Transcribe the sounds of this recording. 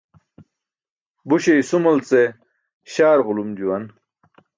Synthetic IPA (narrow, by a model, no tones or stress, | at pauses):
buɕeisumɐlt͡se | ɕaːɾʁʊlumd͡ʑuwɐn